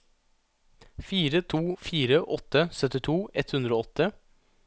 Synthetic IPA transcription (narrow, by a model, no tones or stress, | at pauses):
fiːɾət̪ʰuːfiːɾəʔɔt̪ːəsœt̪ɪt̪ʰuːɛt̪hʉnd̪ɾəoːɔt̪ːə